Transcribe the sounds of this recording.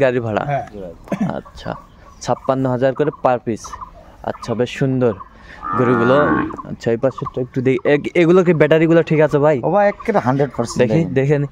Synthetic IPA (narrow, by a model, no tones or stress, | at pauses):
ɡaɾibʱaɽa̰ | ɐ̰tːʃʰa̰ | t͡ʃʰapːanːɔɦad͡ʒaɾkɔɾepaɾpis | ɐ̰tːsʰabeʃund̪ɔɾ | ɡɔɾiɡulɔɐ̰tːʃʰajpasɔʈek̚ʈud̪ejʔeeɡulɔk̬ibɛʈaɾiɡulɔʈʰikat͡ʃʰɔbʱajobaekːeɾɦaɳɖɾeɖpəɾsd̪eid̪ekʰini